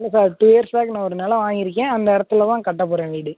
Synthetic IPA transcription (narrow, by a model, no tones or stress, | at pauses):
lːɐsaːɾʈuːeɐɾsaːknãːɔɾɯnɐːlɐʋaːŋɪɾɯk̬ːẽːɐnd̪ɐɪɽɐt̪ːɯlɐt̪ãːkɐʈːɐpːɔːɾɐʋeːɽɯ